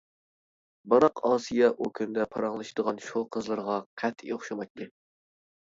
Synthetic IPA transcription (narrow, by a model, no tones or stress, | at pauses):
bɑɾɑqʰɑːsijɛʔukʲʰynd̪ɛpʰɑɾɑŋlˠɨʃɨd̪əʁɑnʃuqʰəzlˠɨɾʁɑqʰæt̪ʰːjoχʃɑmɑk̚ʲt̪ːɪ